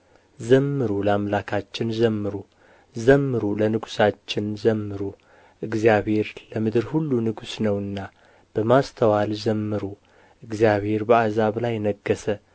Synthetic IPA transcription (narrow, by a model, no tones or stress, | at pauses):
zəmːɨɾulamlakʰat͡ʃːɪnzəmːɨɾu | zəmːɨɾulənɨɡu̥sat͡ʃːɪnzəmːɨɾu | ʔɨɡzijaβhe̞ɾləmɨd̪ɨɾhulːunɨɡusnəwɨnːa | b̥əmast̪ʰəwalzəmːɨɾu | ʔɨɡzjaβhe̞ɾbəazaβlajːnəɡːəsə